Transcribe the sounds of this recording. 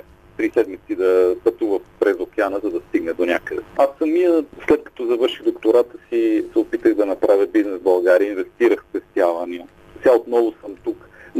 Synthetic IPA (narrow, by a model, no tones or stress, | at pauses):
t̪ɾisɛd̪mit̪sid̪ɐpɐt̪uvəfpɾɛzokʲɛanəzɐd̪ɐst̪iɡnɛd̪onʲakəd̪ɛasːəmːiəslɛt̪̚kɐ̥t̪ɔzɐvɤɾʃiɣd̪okt̪ʊɾat̪əsisɛopit̪əɣd̪ɐnɐpɾʔavʲəbiznɛzbɐlˠɡaɾiəinvɛst̪iɾəxspɛst̪javəniə | sɛaot̪nɔvʊsəmt̪uk